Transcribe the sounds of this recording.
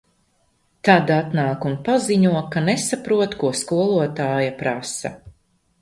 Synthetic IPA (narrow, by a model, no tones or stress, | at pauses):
t̪ad̪at̪naːkunpaziɲuɔkanesapɾuɔt̪kuɔskuɔlˠuɔt̪aːjapɾasɐ̰